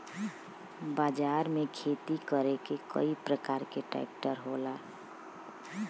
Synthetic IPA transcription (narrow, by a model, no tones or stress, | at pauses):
baːd͡ʒaɾmekʰet̪ikəɾekekə̰ipɾəkaːɾkeʈa̰ɪp̚ʈəɾɦola